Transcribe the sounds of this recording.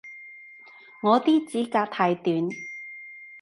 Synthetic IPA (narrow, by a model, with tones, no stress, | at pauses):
ŋɔː˨˧t̪iː˥t͡siː˨˥kaː˧k̚t̪ʰaː˧jt̪yː˨˧n